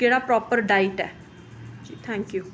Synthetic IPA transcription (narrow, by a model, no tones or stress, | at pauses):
keːɽaːpɾɔːpəɾɖaːɪʈɛ̰ː | t̪ʰɛ̃ːŋkjuː